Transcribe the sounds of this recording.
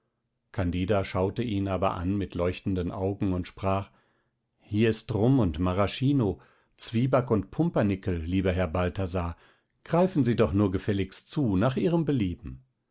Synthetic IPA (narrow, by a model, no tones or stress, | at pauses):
kʰandiːdaʃaʊtəʔiːnaːbɐ̰ʔa̰nmɪtʰlɔʏçtn̩dənʔa̰ʊɡŋ̩ʊntʃpʁ̥aːχ | hiːɐɪstʁʊmʊntmaʁaʃiːno | t͡sv̥iːbakʊntpʰʊmpɐnɪkl̩liːbɐɦɛɐbaltazaː | ɡ̥ʁaɪfn̩ziːdɔχnuːɐɡəfɛlɪkst͡suːnaːχiːʁəmbəliːbm̩